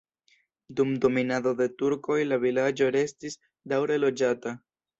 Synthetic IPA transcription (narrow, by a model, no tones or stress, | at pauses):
dumdo̞minado̞de̞tuɾko̞jlavilad͡ʒo̞ɾe̞stis | dawɾe̞lo̞d͡ʒata